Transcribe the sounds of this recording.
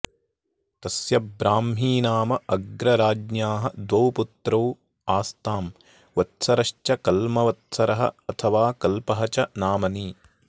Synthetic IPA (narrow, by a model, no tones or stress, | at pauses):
t̪ɐsjɐbɾaːmɦiːnaːmɐʔɐɡɾɐɾaːd͡ʒnjaːɦɐd̪ʋɐwput̪ɾɐw | aːst̪aːm | ʋɐt̪sɐɾɐʃt͡ʃɐkɐlmɐʋɐt̪sɐɾɐɦɐ̰ɐt̪ʰɐʋaːkɐlpɐɦɐt͡ʃɐnaːmɐniː